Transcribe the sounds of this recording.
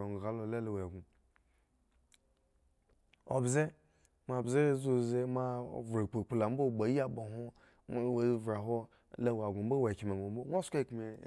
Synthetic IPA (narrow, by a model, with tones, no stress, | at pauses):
o˨ŋ˨ɡa˨lo˨le˦la˨wa˨ɡu˨ | o̰˨bze˦ | ma˨bze˦zu˦ze˦ma˦˨vɾe˨k͡pe˨k͡pla˨m̩˦bo˦˨ɡ͡ba˨˦ji˦a˦bo˨ɦo˦ | we˨˦vɾa˨ɦo˦ | la˦wa˨ɡʷu˨m̩˦bo˦we˨ki˨m˨a˨ɡo˨m̩˦bo˦ŋʷ˦o˦ska˦˨kme˨